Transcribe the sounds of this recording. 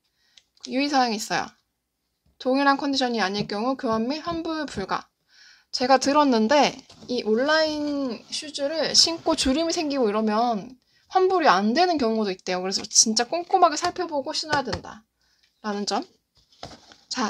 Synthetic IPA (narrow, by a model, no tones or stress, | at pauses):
juisʰaɾaŋiːs͈ʌjo̰ | toŋiɾɦankʰʌndiɕʰʌnɲiaɲiɭk͈jʌŋukɯɦamːiɸwanbuɭpuɭɡa̰ | t͡ɕe̞ɡatɯɾʌnːɯnde̞iʔoɭːainɕʰud͡ʑuɾɯɭɕʰink͈ot͡ɕuɾimisʰe̞ŋɡiɡoiɾʌmjʌn | ɸwanbuɾiandwe̞nɯnkjʌŋudoit̚t͈e̞jokɯɾe̞sʰʌt͡ɕint͡ɕ͈ak͈oŋk͈omaɡesʰaɭpʰjʌboɡoɕʰinojadwenda̰ | ɾanɯnt͡ɕʌm | t͡ɕa